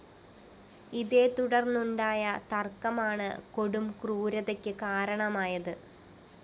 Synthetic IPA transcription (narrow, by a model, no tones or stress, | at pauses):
iðe̞ːt̪uɽɐrnːuɳɖaːjɐt̪ɐrkɐmaːɳɨ̰ko̞ɽumkruːɾɐðekʲːɨkaːɾɐɳɐmaːjɐðɨ